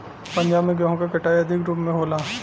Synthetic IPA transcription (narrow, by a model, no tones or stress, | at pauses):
pɐ̃ɲd͡ʒaːbmẽɡãːɦõkakɐʈaːjɐd̪ʱɪkɾuːpmẽɦoːlaː